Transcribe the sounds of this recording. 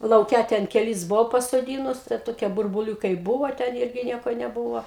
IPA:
lˠɐʊˈkʲɛ tʲɛn kʲɛˈlʲɪs ˈbʊʋɐʊ pɐsoːˈdʲiːnʊs tɐɪ ˈtoːkʲiɛ bʊrbʊˈlʲuːkɐɪ ˈbʊʋoː tʲɛn ˈɪrʲɡʲɪ ˈnʲiɛkoː nʲɛˈbuːʋoː

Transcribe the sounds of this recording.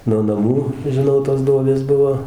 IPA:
noː nɐˈmuː ʒʲɪˈnɐʊ toːs ˈduɔbʲeːs ˈbʊʋoː

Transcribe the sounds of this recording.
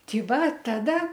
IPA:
ˈtʲiː ˈʋɐ ˈtɑːdɐ

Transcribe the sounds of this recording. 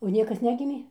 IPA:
oː ˈnʲiɛkɐs ˈnʲæːɡʲɪmʲeː

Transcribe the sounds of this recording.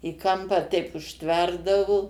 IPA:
ɪ ˈkɐmpɑː tʲɛɪp ʊʃʲˈtʲʋʲɛrdɐʋoː

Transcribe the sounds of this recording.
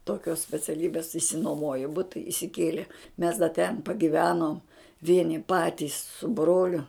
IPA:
toːˈkʲoːs sʲpʲɛt͡sʲɛˈlʲiːbʲeːs ɪʃʲsʲɪnuɔˈmoːjoː ˈbʊtɐ ɪsʲɪˈkʲiɛlʲɛ mʲɛs dɐ ˈtʲɛn pɐɡʲɪˈʋʲæːnoːm ˈʋʲiɛnʲɪ ˈpɑːtʲiːs sʊ ˈbroːlʲʊ

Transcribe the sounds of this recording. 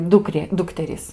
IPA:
ˈdʊkrʲeː ˈdʊktʲɛrʲiːs

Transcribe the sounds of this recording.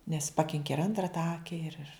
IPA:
nʲɛs ˈpɑːkʲɪŋʲkʲɪ ɪr ˈɐntrɐ tɐ ˈɑːkʲɛ ɪr ɪr

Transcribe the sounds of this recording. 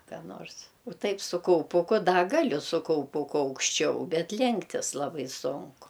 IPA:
kɑː ˈnoːrs oː ˈtɐɪp sʊ kɐʊˈpʊkʊ ˈdɐ ˈɡɑːlʲʊ sʊ kɐʊˈpʊkʊ ɐʊkʃʲˈt͡ʃʲɛʊ ˈbʲɛt ˈlʲɛŋktʲɪs ˈlˠɑːbɐɪ ˈsʊŋkʊ

